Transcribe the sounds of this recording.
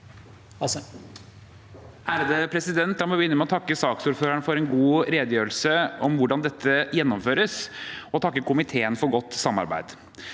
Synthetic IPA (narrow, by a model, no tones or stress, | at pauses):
ʔæːɾd̪əpʰɾɛsɪd̪ɛnt̪d̪ɑːmɔʋɪɪnːəmɛɔt̪ʰɑkːəsɑːksuːɾføːɾəɳfɔɾɛnɡuːɾeːd̪əjøːɾəl̩səɔmʋʊɖɑnd̪ɛt̪ʰːəjɛnːɔmføːɾəsɔt̪ʰɑkːəkʰʊmɪt̪ʰeːənfɔɾɡɔt̪ːsɑmːɑ̰ɾbæ̰ɪd̪